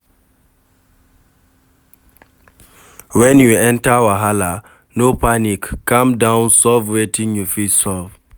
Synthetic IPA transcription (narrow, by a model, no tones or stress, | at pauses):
wɛ̃njuɛ̃ntawaɦala | nopanikːãmdãnsɔvwetĩŋjufisɔv